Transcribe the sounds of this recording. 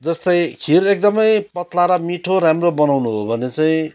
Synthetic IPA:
d͡zʌst̪ʌjkʰiɾek̚d̪ʌmʌjpʌt̪laɾʌmiʈʰoɾamrobʌnawnuɦobʱʌnet͡saĩ

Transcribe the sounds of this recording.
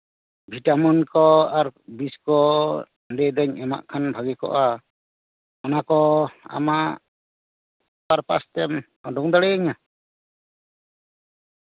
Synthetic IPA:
bʱiʈamɔnkɔaɾbiskɔ | ɖɛd̪ɔɲɛma̰ʔkʰanbʱaɡɛkɔ̰ʔa | ɔnakɔa̰ma | paɾpa̰st̪ɛm | ɔɖɔŋd̪aɽɛaɲa

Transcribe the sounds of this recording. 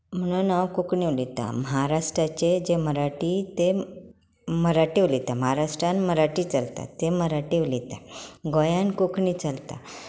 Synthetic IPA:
m̤əɽ̃unawkukɳiʋlit̪a̰məɦaɾaʂʈɾat͡ɕed͡ʑeməɾaʈiːt̪e | məɾaʈiʋlit̪aməɦaɾaʂʈɾãnməɾaʈiːt͡salt̪a̰t̪eməɾaʈiʋlit̪aɡojankokɳit͡salt̪a

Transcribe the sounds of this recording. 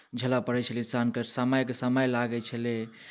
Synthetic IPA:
d͡ʒʱəlapəɾɛt͡ʃʰəlisankəɾsəməjkesəməjlaɡɛt͡ʃʰəle

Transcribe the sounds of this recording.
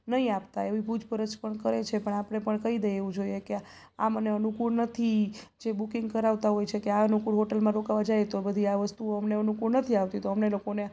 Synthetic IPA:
nəɦĩapt̪aeʋipud͡ʒpəɾət͡ʃpəɳkəɾet͡ʃʰepəɳapəɽ̃epəɳkəɦid̪eeʋũd͡ʒoieke | a̰məneənukuɽnət̪ʰid͡ʒebukiŋɡ̚kəɾaʋt̪aɦojt͡ʃʰekeaənukuɽɦoʈəlmãɾokaʋad͡ʒajt̪obəd̪ʱiaʋəst̪uoəmneənukuɽnət̪ʰiaʋt̪it̪oəmnelokone

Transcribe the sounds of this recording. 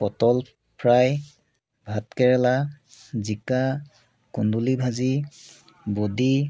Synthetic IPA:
pɔtɔl | pʰɹaj | bʱatkɛɹɛlazika | kundulibʱazi | bodi

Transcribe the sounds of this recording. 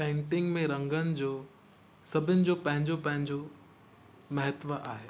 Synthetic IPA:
pẽːɳʈɪ̃ŋɡmẽɾɐ̃ŋɡənɪ̆d͡ʑoː | sɐbʱənɪ̆d͡ʑoːpɐ̃ɦɪ̃ɲd͡ʑopɐ̃ɦɪ̃ɲd͡ʑo | mɐɦət̪ʋəʔaːɦeː

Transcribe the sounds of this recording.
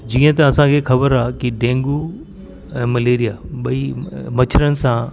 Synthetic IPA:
d͡ʑĩːə̃t̪ɐɐsãkʰexɐbəɾaːkiɖẽːŋɡu | ɛ̃ːmɐleːɾijaɓɐimɐt͡ɕʰɾənɪ̆sã

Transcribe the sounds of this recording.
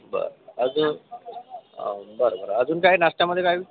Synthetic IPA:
bə̰ɾəd͡zuːn | bəɾobəɾoəd͡zuːnkaɦinaʂʈjaməd̪ʱjekajiʋi

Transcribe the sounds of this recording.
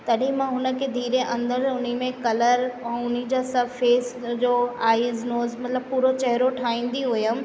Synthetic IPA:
t̪ɐɗĩmãɦʊnə̆kʰed̪ʱiːɾeʔɐ̃nd̪əɾʊnimẽkɐləɾɛ̃ʊnid͡ʑasɐfeːsd͡ʑoːaːɪznoːzmɐt̪ləb̚puːɾot͡ɕɐɦɾoʈʰaːĩːn̆d̪iɦʊjəm̆

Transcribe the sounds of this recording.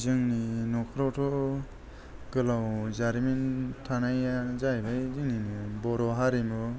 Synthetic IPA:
zɯŋninɔkʰɾɔtʰɔ | ɡ̥ɯlawzaɾimintʰanajazajbajzɯŋninɯbɔɾɔɦaɾimu

